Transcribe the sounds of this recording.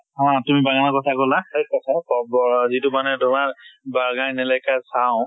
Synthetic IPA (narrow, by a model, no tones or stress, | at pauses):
ɦɔ̃tumibaɡanakɔtʰakɔlaekːɔtʰakɔbɔzitumanɛdɔmabaɹɡajnɛlɛkasaʊ̃